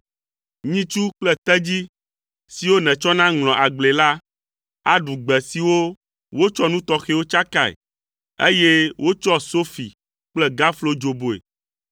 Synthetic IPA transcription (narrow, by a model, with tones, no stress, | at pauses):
ɲĩ˦t͡ʃu˦k͡plɛ˦t̪ɛ˦d͡ʑi˦ | si˨wo˦nɛ̃˨t͡ʃɔ˦nã˦ŋlɔ̃˨ʔa˨ɡ͡ble˨la˦ | a˨ɖu˨ɡ͡bɛ˨si˨wo˦ | wo˦t͡ʃɔ˦nũ˦t̪ɔ˦xe˦wo˦t͡ʃa˦ka˨ḛ˨ | ḛ˦je˦wʔo˦t͡ʃɔ˦so˦fi˨ | k͡plɛ˦ɡa˦flo˦d͡ʒo˨bo˨ḛ˨